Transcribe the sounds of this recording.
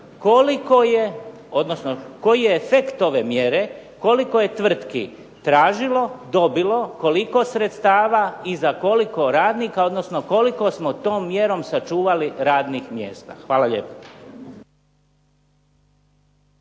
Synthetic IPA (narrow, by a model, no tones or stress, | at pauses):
kolikoje | o̞d̪nosnoko̞jijeefekt̪o̞ʋe̞mjeɾe̞ko̞liko̞je̞t̪ʋr̩t̪kḭ | t̪ɾaːʒilo̞d̪o̞bilo̞ko̞liko̞sɾet̪st̪aːʋaizako̞liko̞ɾaːd̪niːkao̞d̪no̞sno̞ko̞liko̞smot̪o̞ːmːjeɾo̞msat͡ʃuːʋaliɾaːd̪nixmjḛːst̪a̰xʋaːlaʎḛpo̥